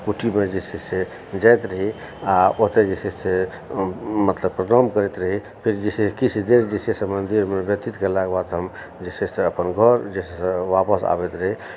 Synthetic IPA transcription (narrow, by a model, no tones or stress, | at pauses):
kuʈʰimed͡ʒisise | d͡ʒajt̪ɾəɦi | aoɦt̪ed͡ʒesese | mət̪ləbpɾəɾamkəɾet̪ɾəɦi | pʰiɾd͡ʒisekit͡ʃʰid̪eɾd͡ʒesesəmənd̪iɾmebjət̪it̪kelaɡbat̪ɦəm | d͡ʒeseseəpənɡʱəɾd͡ʒesesəʋapəsa̰bɛt̪ɾəɦi